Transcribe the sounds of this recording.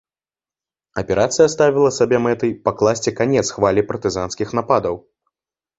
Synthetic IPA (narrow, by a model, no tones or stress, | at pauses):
ɐpʲɛɾat̪sɨjɐst̪avʲilˠɐsabʲɛmɛt̪ɨjpɐklˠasʲt͡sʲɛkanʲɛt̪sxvalʲipɐrt̪ɨzanskʲixn̪apad̪ɐw